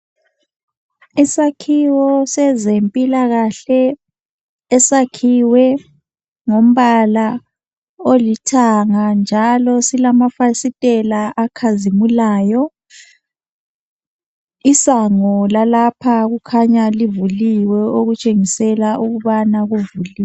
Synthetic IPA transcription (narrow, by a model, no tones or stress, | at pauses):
isakʰiwɔsɛzempʼilaɣaɬɛ | ɛsakʰiwɛ | ŋom̩βala | olitʰaŋand͡ʒʱalɔsilamafasitʼɛlaʔakʰazimulaːjɔ | isaŋɔlalapʰaɣukʰaɲalivuliwɛoɣut͡ʃʼeŋisɛlaʔuɣuβanaɣuvuli